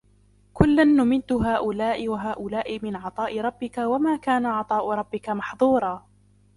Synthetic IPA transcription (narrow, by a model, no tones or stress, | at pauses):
kʊlːanːʊmɪd̪ʊɦaːʔʊlaːʔɪwaɦaːʔʊlaːʔɪmɪnʕɑt̪ˤɑːʔɪɾˤɑbːɪkawamaːkaːnaʕɑt̪ˤɑːʔʊɾˤɑbːɪkamɑħðˤuːɾˤɑː